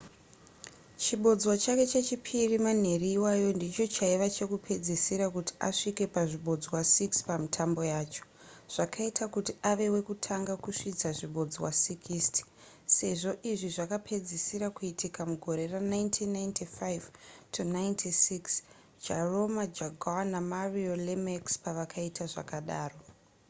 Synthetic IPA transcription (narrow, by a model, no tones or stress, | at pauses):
t͡ʃiɓo̞d͡zwat͡ʃake̞t͡ʃe̞t͡ʃipʰiriman̤e̞riːwajo̞ndit͡ʃo̞t͡ʃaiʋat͡ʃe̞kupʰe̞d͡zisiɾakuti̥ʔa̰ʂike̞paʐiɓo̞d͡zwasikspamitʰambo̞jaːt͡ʃo̥ | ʐ̥akʰaitakutiʔaʋe̞we̞kutʰaŋɡakuʂid͡zaʐiɓo̞d͡zwa̰sikʰistʰi̥ | se̞ʐo̞ʔiʐiʐakapʰe̞d͡zisiɾakuitikamuɡʱo̞ɾe̞ranaintʰinːajntʰifajvtʰunajntʰisiks | d͡ʒaro̞mad͡ʒaɡʱawanamariolemekspaʋakʰaitʰaʐa̰kaɗaːro̞